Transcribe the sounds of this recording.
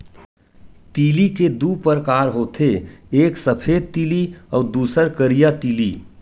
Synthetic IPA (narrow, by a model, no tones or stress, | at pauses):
t̪iːliked̪upəɾəkaːɾɦoːt̪ʰeeːksəpʰeːd̪̚t̪iːliɔːɾd̪uːsəɾkəɾijat̪iːliː